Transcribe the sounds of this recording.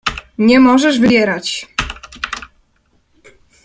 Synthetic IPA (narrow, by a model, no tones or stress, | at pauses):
ɲɛmɔʐɛʐvɘbʲjɛɾat͡ɕ